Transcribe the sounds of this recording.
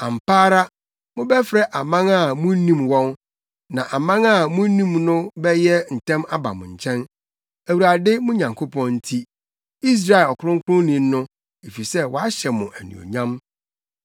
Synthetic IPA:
ã˨m̩˨paː˦ɾa˦ | mʊ̃˦bɛ˦fɾɛ˦ʔa˨mã˦ŋa˦˨mʊ̃˦nĩ˦mwɔ̃˦n | nã˨ʔa˨mã˦ŋa˦˨mʊ̃˦nĩ˦mnʊ̃˦bɛ˦jɛ˦n̩˨tʰɛ̃˦ma˦ba̰˨mʊ̰̃˨ɲ̩˨t͡ɕʰɛ̃˦n | æ˨wu˨ɾa˨dɪ˦mʊ̃˦ɲã˨ŋkʰo˦pʰɔ̃˦nn̩˦tʰi˦ | i˦s̬ɾa˦˨e˨lɔ˨kʰʊ˦ɾʊ̃˦ŋ̩˦kʰʊ˦ʊ̃˦nĩ˨m˦nʊ̃˦ | e˨fi˨sɛ˦wɔ˨a˦ɕɛ˨mʊ̃˨ʔæ˨nḭ̃˨o̰˨ɲã˦m

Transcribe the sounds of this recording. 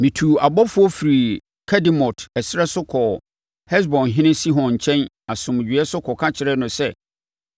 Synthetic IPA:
mĩ˨tʰu˨a˨bɔ˦fʊ˦ɔ˦fi˨ɾi˨ | kʰɛ˦dĩ˦mɔ˨tɛ˨sɪ˦ɾɛ˦sʊ˦kʰɔ˨ | hɛ˦s̬bɔ̃˨nɦɪ̃˦nɪ̃˦si˦ɦɔ̃˨nɲ˨t͡ɕʰɛ̃˦n | a˨sʊ̃˨m˨d͡ʑᶣɥɛ˦sʊ˦kʰɔ˨kʰa˦t͡ɕʰɪ˨ɾɛ˦nʊ̃˨sɛ˦

